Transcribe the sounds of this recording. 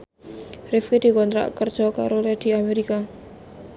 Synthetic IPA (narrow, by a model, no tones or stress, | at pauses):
rɪfked̪̥i̤kɔnt̪ɾa̰ʔkərd̥ʒ̥ɔka̰ɾolɛd̪̥i̤ameɾika